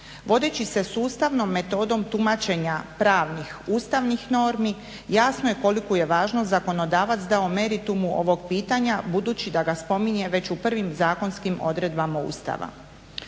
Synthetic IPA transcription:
ʋo̞d̪et͡ɕise̞suːst̪aʋno̞mːe̞t̪o̞ːd̪o̞mt̪umat͡ɕe̞ɲapɾaːʋnixuːst̪aʋnixno̞ːɾmi | jaːsno̞je̞ko̞likoje̞ʋaːʒnozako̞no̞d̪aːʋat̪sd̪aome̞ɾit̪umuʔo̞̰ʋo̞ɡpiːt̪aɲabud̪uːt͡ɕid̪aɡaspo̞miɲe̞ʋe̞t͡ɕupr̩ʋimzaːko̞nskimo̞̰d̪ɾe̞d̪bamaṵːst̪a̰ʋa̰

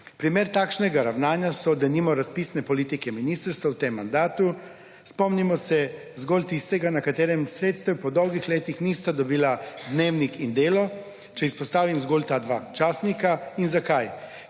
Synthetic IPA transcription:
pɾimeɾt̪aːkʃnɛɡaɾawnaːnjasɔd̪animɔɾaspisnɛpɔlit̪ikɛminist̪əɾst̪ʋawt̪emːand̪aːt̪u | spɔmnimɔsɛ | zɡɔlt̪ist̪ɛɡanakat̪eːɾɛmsɾeːt̪st̪ɛwpɔd̪ɔwɡixleːt̪ixnist̪ad̪ɔbiːlad̪neːwnikind̪eːlɔ | t͡ʃɛispɔst̪aːʋimzɡɔːlt̪aːd̪ʋaːt͡ʃaːsnikainzakaj

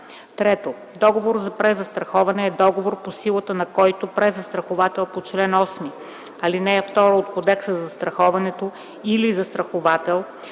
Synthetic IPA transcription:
t̪ɾɛt̪o | d̪ɔɡovoɾzɐpɾɛzːɐst̪ɾɐxɔvɐnɛːd̪ɔɡovoɾposilˠət̪ənɐkɔjt̪opɾɛzːɐst̪ɾɐxovat̪ɛlˠpot͡ʃlɛnɔsmi | ɐlinɛːft̪ɔɾoot̪kod̪ɛksəzɐzɐst̪ɾɐxɔvɐnɛt̪o | ilizɐst̪ɾɐxovat̪ɛlˠ

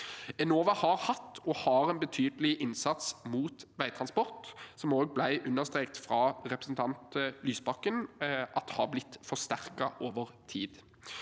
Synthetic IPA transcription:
ɛnoːʋɑhɑːʁhɑt̪ːɔhɑːɾɛnbət̪ʰyːd̪əlɪʔɪnsɑt̪smuːt̪ʋæɪt̪ʰʁɑnspɔʁt̪sɔmoːɡ̚blæɪʔʉnːəʁst̪ʁeːkt̪fʁɑːʁɛpɾəsn̩t̪ʰɑnt̪lyːsbɑkːənʔɑt̪hɑːblɪt̪ːfɔʁst̪æʁkɑʔoːʋəʁt̪ʰḭːd̪

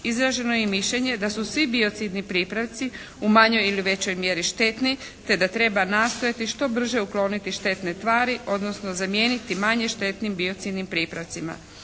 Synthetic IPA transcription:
izɾaʒe̞nojemiʃʎeɲe̞d̪asusʋibio̞t̪sid̪nipɾiːpɾaʋt̪si | umaɲo̞jiliʋe̞t͡ɕo̞jmje̞ɾiʃt̪e̞t̪ni | t̪e̞d̪at̪ɾe̞banaːst̪o̞jat̪iʃt̪o̞br̩ʒe̞uklo̞ːnit̪iʃt̪e̞t̪ne̞t̪ʋaːɾiʔo̞d̪no̞sno̞zamje̞ːnit̪imaɲe̞ʃt̪e̞t̪nimbio̞t̪siːd̪nimpɾiːpɾaʋt̪sima̰

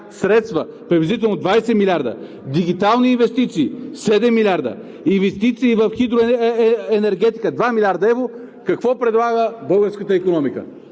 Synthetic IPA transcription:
sɾɛt̪st̪və | pɾɛvɛzit̪ɛlˠnod̪vajsɛmilʲaɾd̪ə̰ | d̪iɡ̟it̪alˠniːnvɛst̪it̪siːsɛd̪ɛmːilʲaɾd̪ə̰ | invɛst̪it̪siːvəfxid̪ɾoɛnɛɾɡɛt̪i̥kəd̪vamilʲaɾd̪ɐɛvɾo | kɐkvɔpɾɛd̪lˠaɡəbɤlˠɡəɾskət̪əikonɔmikə̰

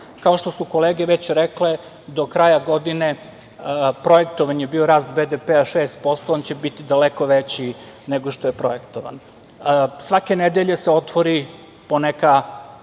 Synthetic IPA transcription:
kao̞ʃt̪o̞suko̞leːɡeʋet͡ɕɾekle̞ | d̪o̞kɾajaɡo̞d̪ine | pɾo̞jekt̪oʋanjebio̞ɾaːst̪bed̪epeaʃeːst̪̚po̞st̪oont͡ɕebit̪id̪aleko̞ʋet͡ɕineɡoʃt̪o̞jepɾo̞jekt̪oʋa̰n | sʋake̞ned̪eʎeseo̞t̪ʋoɾi | poneka

